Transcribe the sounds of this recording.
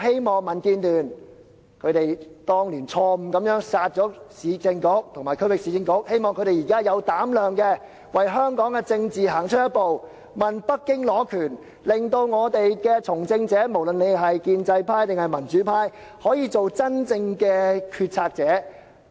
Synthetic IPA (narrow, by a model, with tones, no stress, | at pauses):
ɦe˥jmɔː˨˩ŋmɐ˨˩nkiː˧nlyː˨˩n | kʰɵ˨˧ɥt̪e˨jt̪ɔː˥ŋliː˨˩nt͡ʃʰɔː˧m̩˨kɐ˨˥mjœː˨˥ŋsaː˧t̚t͡ʃɔː˨˥siː˨˧t͡sɪ˧ŋkʊ˨˥k̚t̪ʰʊ˨˩ŋmaː˨˩kʰɵ˥ɥwɪ˨k̚si˨˧t͡sɪ˧ŋkʊ˧˥k̚he˥jmɔː˨ŋkʰɵ˧˥ɾe˨˩jiː˨˩kaː˥jɐ˨˧wt̪aː˨˥mlœː˨˩ŋkɛ˧ | wɐ˨˩jɦœː˥ŋkɔː˨˥ŋkɛ˧t͡sɪ˧ŋt͡siː˨ɦaː˨˩ŋt͡ʃʰɵ˥t̚jɐ˥t̚po˨w | mɐ˨npɐ˥kkːɪ˥ŋlɔː˨˥kʰyː˨˩n | lɪ˨˩ŋt̪o˧wŋɔː˨˧t̪e˨jkɛː˧t͡sʰʊ˨˩ŋt͡sɪ˧ŋt͡sɛː˨˥mo˨˩wlɵ˨nle˨˧jɦɐ˨jkiː˧nt͡sɐ˧jpʰaː˥jt̪ɪ˨ŋhɐ˨jmɐ˨˩nt͡ʃyː˨˥pʰaː˥j | hɔː˨˥jiː˨˧t͡so˨wt͡sɐ˥nt͡sɪ˧ŋkɛː˧kʰyː˧t̚t͡sʰaː˧k̚t͡sɛː˨˥